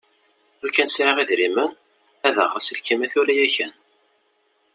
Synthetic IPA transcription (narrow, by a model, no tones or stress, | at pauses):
ʊkːænsɾaʁiðɾimən | æðə̰ʁəsəlkːimæθulæjæçən